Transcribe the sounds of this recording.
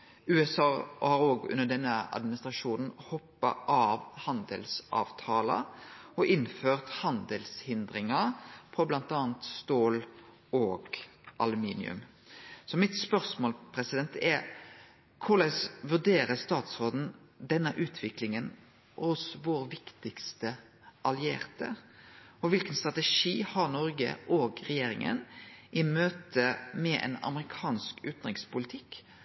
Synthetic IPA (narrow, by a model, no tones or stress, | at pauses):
ʉːɛsɑːhɑɾoːɡʉ̰nːəɖ̪ɛnːəɑ̰d̪mɪnɪst̪ɾɑʂuːnn̩hɔpːɑ̰ʔɑʋhɑnd̪ə̰lsʔɑ̰ːʋt̪ʰɑːlə̰ɔʔɪnføːʁt̪hɑnd̪əlshɪnd̪ɾɪŋɑpʰɔblɑnt̪ɑːnt̪st̪oːl | oːɡʔɑlʉmiːnɪ̰ʉ̰m | sɔmɪt̪spœɾsmoːlpʰɾɛsɪd̪ɛnt̪ɛɾ | kʰʊɾlæɪsʋʉɖeːɾəst̪ɑːt̪sɾoːd̪n̩ | d̪ɛnːəʔʉːt̪ʰʋɪklɪŋən | ʔʊsʋoːɾʋɪkt̪ɪkst̪ə | ʔɑlɪḛːʁt̪ə̰ | ɔʋɪlkənst̪ʁɑt̪ɛʂiːhɑʁnɔɾɡə̰ʔoːɡʁɛjeːɾɪŋə̰nʔɪmøːt̪ʰəmɛʔɛ̰nɑ̰mɾɪkʰɑːnskʉːt̪nʁɪŋspʊlɪt̪ʰɪkː